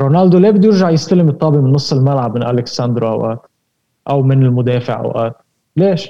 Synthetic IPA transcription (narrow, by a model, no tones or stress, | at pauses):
ɾonald̪olabɪd̪ujɪɾʒaʕjɪst̪alɪmɨt̪ˤːɑːbɪʔmɪnːɨsˤːɪlmalʕabmɪnʔalɪksand̪ɾoʔa̰wʔa̰ːt̪ | ʔawmɪnɪlmʊd̪eːfɪʕʔa̰wʔa̰ːt̪ | leːʃ